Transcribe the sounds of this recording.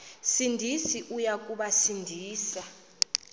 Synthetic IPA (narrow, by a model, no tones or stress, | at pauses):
sindʱisiʔujak̬ʼuɓasindʱiːsa